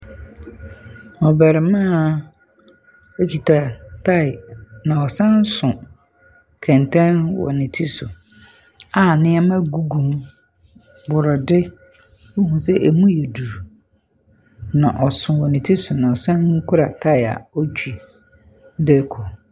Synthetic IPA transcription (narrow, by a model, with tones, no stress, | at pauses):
ɔ˨bɛ˨ɾɪ˨mã˦˨ | e˦kʰi˨tʰa˨tʰa˦˨ɪ˨nã˨ɔ˨sã˦n˦sʊ̃˨ | kʰɛ̃˨ntʰɛ̃˦nwɔ̰˨nĩ˨tʰi˦sʊ˨ | a˦˨nɪ̃˦ɛ˦mã˦ɡu˦ɡũ˨m | bʊ˨ɾɔ˨dɪ˦ | u˦hũ˨s̬ɛ˦ʔe˨mũ˦jɛ˨du˨ɾ | nã̰˨ʔɔ˨sʊ̃˨wɔ˨nĩ˨tʰi˦sʊ˨nã˨ɔ˨sã˦nŋ̩˦kʰʊ˦ɾa˨tʰa˦ɪ˨a̰˨ɔ˦t͡ʃᶣi˨˦ | dɛ˦kʰɔ˨